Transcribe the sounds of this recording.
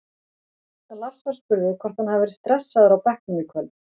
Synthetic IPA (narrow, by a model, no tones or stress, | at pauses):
lar̥svɛɾ̥spʏɾðɪkʰvɔr̥t̪hanhavɛɾɪ̥st̪ɾɛsːaðaɾawpɛhknʏikʰvœl